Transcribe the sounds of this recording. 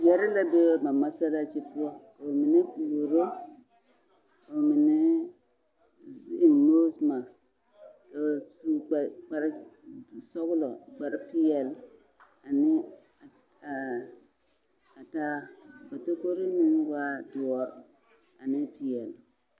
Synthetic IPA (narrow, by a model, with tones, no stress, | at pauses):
ja˦ɾi˦la˦be˦ma˨ma˦sa˦la˦t͡ʃi˦pu˦ɔ˦ko˨mi˨ni˦bu˨ɾo˦ | o˨mi˨ne˦ | zi˨mo˦sma˨ks | ka˨su˦˨k͡pa˨ɾi˦˨ | so˦ɡlo˨ɡ͡ba˨ɾi˦pi˦jɛ˨l | a˨ni˦˨ | a˨ta˦ba˨to˦ko˦ɾi˦ni˦nwa˦du˨wɔ˦ | a˨ni˦pi˦jɛ˨l